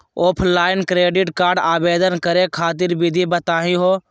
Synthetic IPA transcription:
oːpʰnlaːɪnkɾeːɖɪʈkaːɾɖaːbeːd̪ənkəɾekʰaːt̪̬ɪɾbɪd̪ʱibət̪aːɦĩɦoː

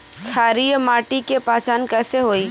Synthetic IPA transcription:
t͡ʃʰaːɾijmaːʈikepaːt͡ʃaːnkɛːseɦoːiː

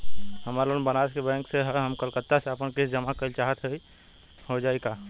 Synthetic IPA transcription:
ɦəmaɾonbənad͡ʒkebɛ̃ŋkseɦɦəmkəlkət̪ːaseəpənkesd͡ʒəmakəlt͡ʃaːɦət̪ɦɛi | ɦod͡ʒaːeka

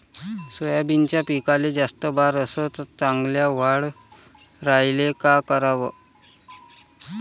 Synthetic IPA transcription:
səjabint͡ɕjapikaled͡zast̪əbaɾəsət͡st͡saŋɡljaʋ̤aɽ | ɾajlekakəɾaʋə

